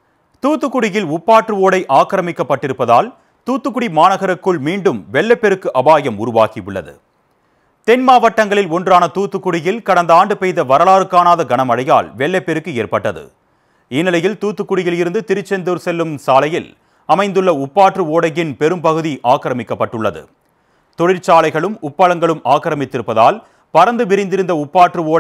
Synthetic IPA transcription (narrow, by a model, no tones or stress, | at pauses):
t̪uːt̪ːɯkːʊɽɪjɪlʊpːaːʈrɯoːɽɐɪʔaːkɾɐmɪkːɐpːɐʈːɪɾɯpːɐða̰ːl | t̪uːt̪ːɯkːʊɽimaːnɐɣɐɾɐkːɯɭmiːɳɖɯmʋɛɭːɐpːɛɾɯkːɯʔɐbaːjɐmʊɾʊʋaːkiʊɭːɐ̰ðɯ̰ | t̪ɛnmaːʋɐʈːɐŋɡɐɭɪlɔndraːnɐt̪uːt̪ːɯkːʊɽɪjɪlkɐɽɐnd̪aːɳɖɯpɛjðɐʋɐɾɐlaːɾɯkːaːnaːðɐɡɐnɐmɐɽɐja̰ːlʋɛɭːɐpːɛɾɯkːɯeːrpɐʈːɐðɯ̰ | ɪnɪlɐjɪlt̪uːt̪ːɯkːʊɽɪjɪlɪɾɯnd̪ɯt̪ɪɾɯt͡ʃːɛnd̪ɯɾsɛlːɯmsaːlɐjɪl | ɐmɐɪnd̪ɯɭːɐʊpːaːʈrɯoːɽɐjɪnpɛɾɯmpɐɣɯðiʔaːkɐɾɐmɪkːɐpːɐʈːɯɭːɐðɯ̰ | t̪ɔɽɪɾt͡ʃaːlɐɪɣɐɭɯmʊpːɐɻɐŋɡɐɭɯmaːkːɐɾɐmɪt̪ːɪɾɯpːɐða̰ːl | pɐɾɐnd̪ɯʋɪɾɪnd̪ɪɾɯnd̪ɐʊpːaːʈrɯoː